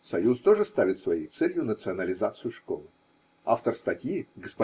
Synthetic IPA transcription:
sɐjust̪o̞ʐɨst̪avʲɪt̪svɐjejt̪sɛlʲjʊnət̪sɨɐnəlʲɪzat̪sɨjʊʂko̞̰lˠɨ | a̰ft̪ərst̪ɐtʲjiɡəspɐ

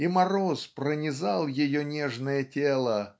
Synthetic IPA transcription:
imɐɾospɾənʲɪzɑlˠjɪjonʲeʐnəjətʲelˠə

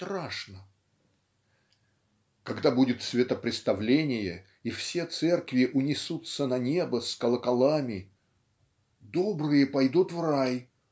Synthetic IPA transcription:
t̪ɾaʂnə | kɐɡd̪abudʲɪt̪svʲɪt̪əpɾʲɪt̪st̪ɐvlʲenʲɪjə | ifsʲe̞t̪sɛrkvʲɪʔʊnʲɪsut̪sənɐnʲe̞bəskəlˠəkɐlˠamʲɪ | d̪obɾɨjəpɐjd̪ut̪vraj

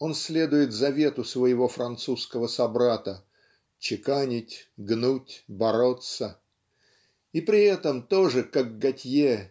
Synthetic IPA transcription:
o̞nsʲlʲe̞d̪ʊjɪt̪zɐvʲe̞t̪ʊsvəjɪvo̞fɾʔɐnt̪suskəvəsɐbɾat̪ə | t͡ɕɪkanʲɪtʲɡnutʲbɐɾo̞t̪sə | ipɾʲɪɛt̪əmt̪o̞ʐɨkaɡɡɐtʲje

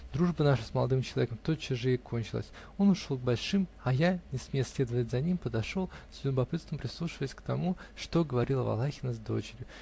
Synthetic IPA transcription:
d̪ɾuʐbənaʂəsməlˠɐ̰d̪ɨmt͡ɕɪlˠɐvʲekəmt̪ot͡ɕːɪʐɨɪkʰo̞nʲt͡ɕɪlˠə̰sʲ | o̞nʊʂolˠɡ̚bɐlʲʂɨmɐjanʲɪsmʲesʲlʲe̞d̪əvətʲzɐnʲimpəd̪ɐʂolˠzʲlʲʊbɐpɨt̪səmpɾʲɪslˠuʂɨvəjɪsʲkt̪ɐmuʂt̪o̞ɡəvɐɾʲilˠəvɐ̰lˠaxʲɪnəzd̪o̞̰t͡ɕɪɾʲjʊ

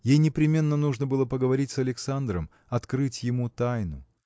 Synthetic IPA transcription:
jejnʲɪpɾʲɪmʲe̞nːənuʐnəbɨlˠəpəɡəvɐɾʲitʲsɐlʲɪksand̪ɾəm | ɐt̪kɾɨtʲjɪmut̪ajnʊ

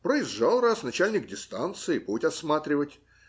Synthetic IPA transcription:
pɾəɪzʐalˠrasnɐt͡ɕælʲnʲɪk̚dʲɪst̪ant̪sɨɪpotʲɐsmat̪ɾʲɪvətʲ

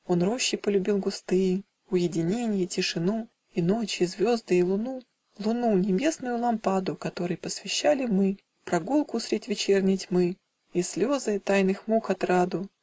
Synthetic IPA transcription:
o̞nro̞ɕːɪpəlʲʊbʲilˠɡʊst̪ɨ | ʊjɪdʲɪnʲenʲɪjətʲɪʂɨnu | ino̞t͡ɕizvʲo̞zd̪ɨɪlˠʊnu | lˠʊnunʲɪbʲe̞snʊjʊlˠɐmpad̪ʊkɐt̪o̞ɾɨjpəsvʲɪɕːalʲɪmɨ | pɾɐɡulˠkʊsɾʲɪdʲvʲɪt͡ɕe̞rnʲɪjtʲmɨ | isʲlʲo̞zɨt̪ajnɨxmukɐt̪ɾad̪ʊ

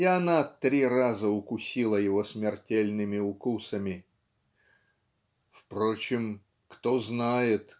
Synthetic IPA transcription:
jaɐnat̪ɾʲirazəʊkʊsʲilˠəjɪvo̞smʲɪrtʲelʲnɨmʲɪʊkusəmʲɪ | fpɾo̞t͡ɕɪm | kt̪o̞znajɪt̪

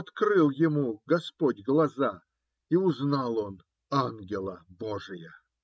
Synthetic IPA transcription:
ɐt̪kɾɨlˠjɪmuɡɐspodʲɡlˠɐza | iʊznɑlˠon | anɡʲɪlˠəboʐɨjə

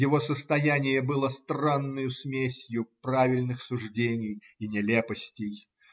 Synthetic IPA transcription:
jɪvo̞səst̪ɐjænʲɪjəbɨlˠəst̪ranːəjʊsmʲesʲjʊpravʲɪlʲnɨxsʊʐdʲenʲɪjɪnʲɪlʲepəsʲtʲɪj

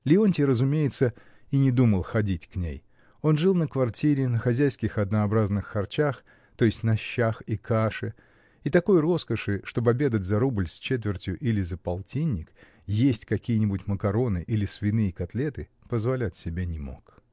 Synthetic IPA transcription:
lʲɪonʲtʲɪɾəzʊmʲejɪt̪sə | inʲɪd̪uməlˠxɐdʲitʲknʲḛj | o̞nʐɨlˠnəkvɐrtʲiɾʲɪnəxɐzʲæjskʲɪxɐd̪nəɐbɾaznɨxːɐrt͡ɕax | t̪o̞jɪsʲtʲnɐɕːaxikʰaʂɨ | it̪ɐko̞jro̞skəʂɨʂt̪o̞bɐbʲe̞d̪ətʲzɐɾublʲsʲt͡ɕet̪vʲɪrtʲjʊʔilʲɪzəpɐlˠtʲinʲːɪk | jesʲtʲkɐkʲijənʲɪbʊtʲməkɐɾo̞nɨʔilʲɪsvʲɪnɨjəkɐt̪lʲe̞t̪ɨ | pəzvɐlʲætʲsʲɪbʲenʲɪmo̞̰k

